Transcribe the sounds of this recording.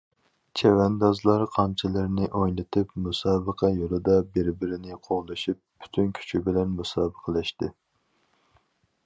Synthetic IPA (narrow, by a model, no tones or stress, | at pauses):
t͡ʃʰɛwɛnd̪ɑzlˠɑɾqʰɑnt͡ʃʰilɪɾnɪʔojlˠɨt̪ʰɨpmusɑːbəqʰɑjolˠɨd̪ɑbɪɾbɪɾɪnɪqʰoʁlˠɨʃipːʰy̥t̪ʰynkʲʰy̥t͡ʃʰibɪlɛnmusɑːbəqʰəlɛʃt̪ɨ